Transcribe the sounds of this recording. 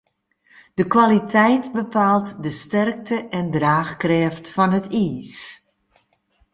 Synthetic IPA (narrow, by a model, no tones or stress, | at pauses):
d̥əkʋalitʰɛjtbəpʰaːlˠtdəstɛrk̚tʰəʔɛndraːxkrɛːftfɔnɦətiːs